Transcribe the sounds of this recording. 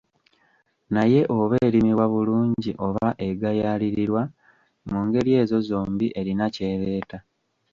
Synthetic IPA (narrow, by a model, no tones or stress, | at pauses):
naje̞ʔo̞βeːɾimiβwaβuluːɲɟiʔo̞βaʔe̞ɡajaliɾiɾwa | muːŋɡe̞ɾje̞ːzo̞zo̞ːmbiʔe̞ɾinace̞ːβeːta